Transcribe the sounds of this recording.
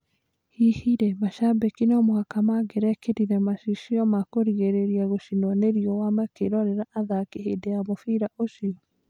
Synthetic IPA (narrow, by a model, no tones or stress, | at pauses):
hihiɾɛmaʃabekinɔmohakamaɡeɾɛkeɾiɾɛmaʃiʃiɔmakoɾiɣeɾeɾiaɣoʃinɔneɾiɔwamɛkeɾɔɾeɾaʔaðakeɦedeamofiɾaʔosiɔ